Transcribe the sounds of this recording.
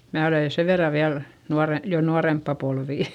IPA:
mæː oleˑ seʋ ʋerːɑ ʋiæl nuɑre jo nuɑrempːɑ polʋiˑ

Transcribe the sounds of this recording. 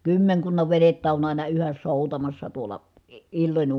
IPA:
kymːeŋkunːɑʋ ʋenetːæ on ɑˑinɑ yhæs soˑutɑmɑsːɑ tuolɑ i ilːonʲ

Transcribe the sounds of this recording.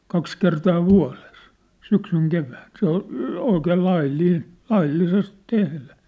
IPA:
kɑks kertɑː ʋuɑ̝les syksyŋ keʋæːn se ol oikeːl lɑilːiːn lɑilːises tehlæ

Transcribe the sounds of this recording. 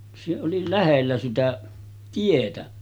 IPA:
se oli læhelːæ sitæ tietæ

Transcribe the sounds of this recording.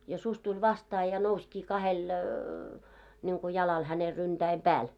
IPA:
jɑ susʲ tulʲ ʋɑstɑː jɑ nouskiː kɑhel nʲiŋku jɑlɑl hæne ryntæim̆ pæːl

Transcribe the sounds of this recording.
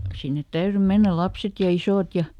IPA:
sinːet tæyry menːæl̆ lɑpset jɑ isoˑt jɑ

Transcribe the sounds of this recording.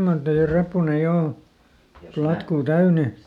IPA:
mɑr teiæ repːunːe jo o plɑtkuː tæyne

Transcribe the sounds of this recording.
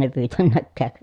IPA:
ne pyːtænːækːæːk

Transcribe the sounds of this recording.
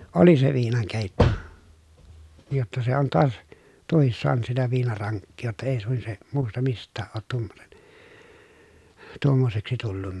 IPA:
oli se ʋiːnɑŋkeˑitːo jotːɑ se on toɑs tuohis soɑnŭt sitæ ʋiːnɑrɑŋkːiː jotːɑ eˑi suin se muːstɑ mistˑæːʔ ʔoːt tuomːonen tuomːoseksi tulːunːɑ

